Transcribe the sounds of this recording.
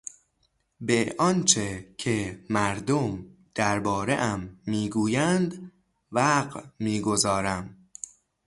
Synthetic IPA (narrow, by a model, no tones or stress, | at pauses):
beʔɒnt͡ʃʰecʰemæɾd̪omd̪̥æɾbɒːɾeʔæmːiːɡuːjænd̪ | væɢmiːɡo̞zɒːɾæm